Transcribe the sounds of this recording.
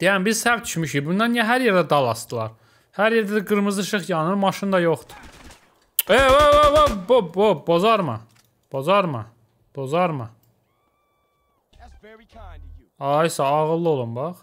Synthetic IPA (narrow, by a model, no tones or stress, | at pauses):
d̪̥ejæmbizsævt̪y̥ʃmyʃibund̪ɑnjæɦæɾjeɾd̪æd̪ɑlˠɑst̪ɯlˠɑɾ | hæɾjeɾd̪æd̪æɡɯɾmɯzd̪ˠɯʃɯχjɑnɯnmɑʃɯnd̪ɑjoχt̪u̥ | eoovobobobozɑɾmɯ̰ | b̥ozɑɾmɯ̰ | b̥ozɑɾmɯ | ɑjsɑːʁɯlˠːɯo̞lˠumbɑχ